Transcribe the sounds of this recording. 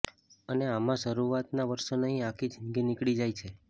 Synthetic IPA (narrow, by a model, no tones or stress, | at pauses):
əneamãʃəɾuʋat̪naʋəɾʃonəɦĩãkʰid͡ʒʱə̃ŋɡinikɭid͡ʒajt͡ʃʰe